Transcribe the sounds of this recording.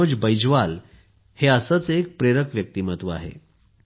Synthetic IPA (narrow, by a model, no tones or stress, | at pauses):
od͡ʑbəjd͡ʑʋal | heəsət͡sek̚pɾeɾəkʋjək̚t̪iːmət̪ʋa̰ɦḛ